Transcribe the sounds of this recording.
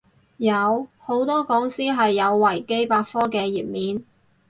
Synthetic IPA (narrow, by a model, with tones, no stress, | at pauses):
jɐ˨˧who˨˥wt̪ɔː˥kɔː˨˥ŋsiː˥ɦɐ˨jːɐ˨˧wːɐ˨˩jke˥jpaː˧t̚fɔː˥kɛː˧jiː˨˩p̚miː˨˥n